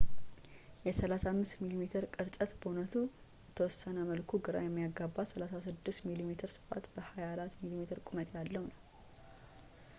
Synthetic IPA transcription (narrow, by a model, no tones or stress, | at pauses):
jɛsəlasamːɨst̪milimet̪ʰɨɾkʼɨɾsʼət̪bonət̪ʰu | jɛt̪ʰəwɔsːənəməlkʰuɡɨɾa̰jɛmːijaɡːabːasəlasasɨd̪ːɨst̪milimet̪ʰɨɾsɨ̥fa̰t̪bəhajaɾat̪milimet̪ʰɨɾkʼumət̪ʰjalːəhwunəw